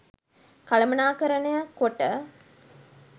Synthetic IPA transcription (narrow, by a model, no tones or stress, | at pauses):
kɐlɐmɐnaːkɐɾənəjəkoʈə